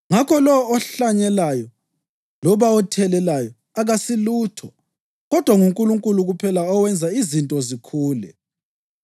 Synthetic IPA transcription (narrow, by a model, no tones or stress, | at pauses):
ŋakʰɔlɔɔːɬaɲɛlajɔ | lɔβaɔtʰɛlɛlajɔ | aɣasiluːtʰɔ | ɣɔd̥ʱwaŋuŋkʼuluŋkʼuluɣupʰɛlaɔwɛnd͡zʱaizintʼɔzikʰuːlɛ̰